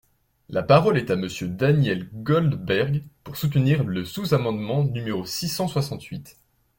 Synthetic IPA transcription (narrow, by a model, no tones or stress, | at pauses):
lapaʁɔlɛt̪aməsjød̪anjɛlɡɔld̪bɛʁɡpuʁsut̪niʁləsuzamɑ̃d̪mɑ̃nymeʁosisɑ̃swasɑ̃t̪ɥit̪